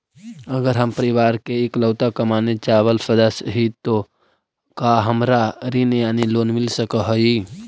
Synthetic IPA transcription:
əɡəɾɦəmpəɾɪʋaːɾkeekləːt̪akɐmaːnet͡ʃaːʋəlsəd̪əsɦit̪o | kaɦəmɾaɾinjaːniloːnmɪlsəkəɦoi

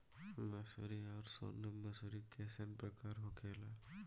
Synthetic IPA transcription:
mɛsoɾiɔːɾso̰ːnəmɐsuɾikɛːsenpɾɐkaːɾɦokʰeːlaː

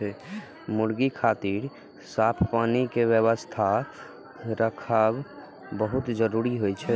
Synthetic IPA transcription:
ɛ | muɽɡikʰat̪iɾ | sapʰpaːnikeʋjəʋəst̪ʰa | ɾəkʰab | bəɦut̪d͡ʒəɾuɾiɦojt͡ʃʰɛ

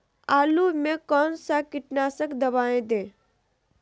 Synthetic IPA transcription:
aːlumẽkɔːnsakɪʈnaːsəkd̪ɐbaːẽd̪ẽː

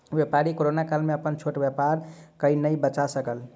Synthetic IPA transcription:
bjepaɾikoɾonakalmeəpənt͡ʃʰoʈbjəpaɾkəinəjbət͡ʃasəkəl

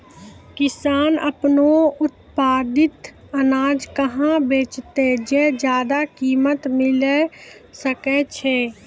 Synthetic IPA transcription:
kɪsaːnə̰pnoʊt̪paːd̪ɪt̪ | ənaːd͡ʒkəɦãbeːt͡ʃt̪ed͡ʒɛd͡ʒjaːd̪akiːmət̪mɪlesəkɛt͡ʃʰɛː

